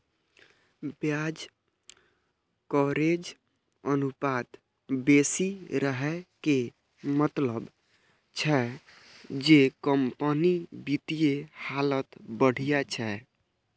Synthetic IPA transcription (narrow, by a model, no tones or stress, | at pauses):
bjad͡ʒ | kɔɾed͡ʒ | ənupat̪ | besiɾəɦɛke | mət̪ləb | t͡ʃʰɛ | d͡ʒekəmpənibit̪ijehalət̪bəɽ̤ijat͡ʃʰɛ